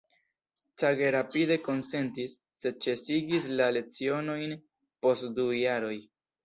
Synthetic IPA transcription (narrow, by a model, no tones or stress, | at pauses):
t͡saɡe̞ɾapide̞ko̞nse̞ntisːe̞t͡ʃe̞siɡis̬lale̞t͡sio̞no̞jn | po̞stdujaɾo̞j